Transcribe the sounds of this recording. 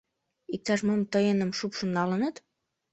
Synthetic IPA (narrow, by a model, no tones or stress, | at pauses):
ik̚t̪ɑʃmomt̪əjənəmʃupʃə̆nːɑlənət̪